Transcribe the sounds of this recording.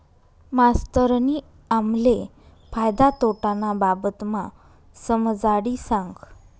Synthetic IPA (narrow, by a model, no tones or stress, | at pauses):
mast̪əɾni | amle | fajd̪at̪oʈanababət̪ma | səməd͡zaɽisãŋɡ